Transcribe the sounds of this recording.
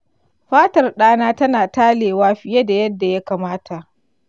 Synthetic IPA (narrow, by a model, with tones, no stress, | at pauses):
ɸaː˦tɐ˨rɗaː˦naː˦tɐ˦naː˨taː˦leː˨waː˦ɸɪ˨je˦da˨jɐ˦dːa˨ja˦kaː˨maː˦tʰa˨ʔ